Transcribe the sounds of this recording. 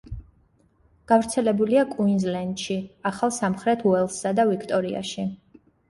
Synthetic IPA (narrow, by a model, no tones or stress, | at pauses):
ɡ̥avɾt̪sʰɛlɛbuliakʼuinzlɛnd̪̥ʃiaχalˠsamχɾɛt̪ʰuɛlˠsːad̪avikʰt̪ʼɔɾia̰ʃi